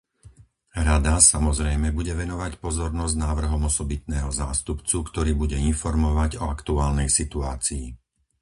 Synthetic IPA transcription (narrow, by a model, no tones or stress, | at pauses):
ɾad̪asamɔzɾɛjmɛbuɟɛʋɛnɔʋacpɔzɔɾnɔzɟnaːʋr̩ɦɔmɔsɔbit̪̚nɛːɦɔza̰ːst̪upt͡sukt̪ɔɾiːbuɟɛinfɔɾmɔʋaɟɔakt̪uaːlnɛjsit̪uaːt͡siː